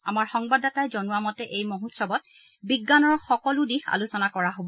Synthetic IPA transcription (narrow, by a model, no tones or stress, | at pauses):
a̰maɹxɔŋbadatajzɔnuwamɔtɛʔejmoɦutsɔbɔt̚ | biɡːanɔɹxɔkɔludixʰa̰lusɔnakɔɹaɦobɔ